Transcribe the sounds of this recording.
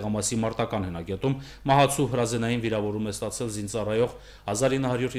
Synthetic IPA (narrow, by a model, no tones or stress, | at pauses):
ʁɑmɑsɾimɑɾt̪ɑkɑnhənɑkɛt̪umː | ɑɦɑt͡sʰuɦəɾɑzɛnɑjinviɾɑvɔɾumɛst̪ɑt͡sʰɛlzint͡sɑrɑjɔʁ | hɑzɑɾinːəhɑɾjuɾ